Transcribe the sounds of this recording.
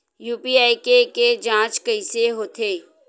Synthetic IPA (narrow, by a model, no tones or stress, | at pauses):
juːpiaːikeked͡ʒãːt͡ʃkəɪseɦoːt̪ʰeː